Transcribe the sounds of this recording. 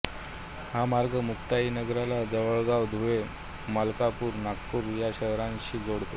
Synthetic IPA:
hamaɾɡəmukt̪ainəɡɾalad͡zəʋəɭɡaʋd̪ʱuʋe | malkapuːɾnakːuːɾjaɕəɦɾãnɕiːd͡zoɽt̪o

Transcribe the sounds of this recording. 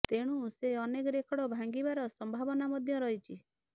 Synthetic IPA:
t̪eɽ̃ũseɔnekɔɾekʰɔɽɔbʱãŋɡibaɾɔsɔmbʱabɔnamɔd̪ʱjɔɾɔɦit͡ʃʰi

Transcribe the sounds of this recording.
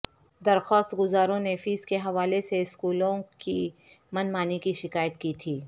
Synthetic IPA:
d̪ɐɾxɔːst̪ɡʊzaːɾõnefiːskeɦɐʋaːleseɪskuːlõki | mɐnmaːnikiʃɪkaːjət̪kiːt̪ʰiː

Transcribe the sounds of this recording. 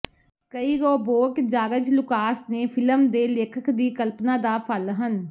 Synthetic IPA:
kəiːɡɔːboːkd͡ʒaːɡəd͡ʒlʊkaːsneːpʰɪləmd̪eːleːkʰəkʰd̪iːkəlpnãːd̪aːpʰəlɦən

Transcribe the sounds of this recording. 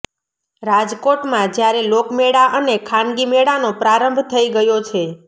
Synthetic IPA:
ɾad͡ʒkoʈmãd͡ʒjaɾelokmeɽaʔənekʰanɡimeɽanopɾaɾəmbʱt̪ʰəiɡəjot͡ʃʰe

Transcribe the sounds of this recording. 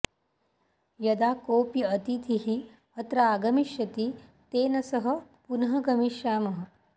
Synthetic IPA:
jɐd̪aːkoːpjɐɐt̪it̪ʰiɦi | ɐt̪ɾaːɡɐmiʃjɐt̪it̪eːnɐsɐɦɐ̆punɐɦɐɡɐmiʃjaːmɐɦɐ̆

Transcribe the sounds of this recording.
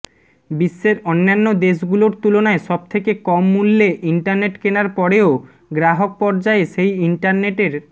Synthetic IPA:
bisːeɾɔnːanːod̪eʃ̬ɡuloɾt̪ulonaeʃɔb̚t̪ʰekekɔmːulːeʔiɳʈaɾneʈkenaɾpɔɽeo | ɡɾaɦok̚pɔɾd͡ʑaeʃejiɳʈaɾneʈeɾ

